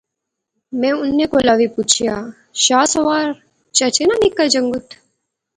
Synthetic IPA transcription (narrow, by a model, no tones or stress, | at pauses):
mɛ̃ːʊnːekolaʋipuːt͡ʃʰijaː | ʃaːsɐʋaːɾ | t͡ʃɐt͡ʃenanikːad͡ʒɐŋɡʊt̪ʰ